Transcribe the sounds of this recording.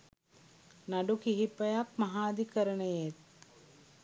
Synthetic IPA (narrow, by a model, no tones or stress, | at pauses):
naɖukiɦipəjak̚mɐɦaːd̪ikəɾənəjet̪̚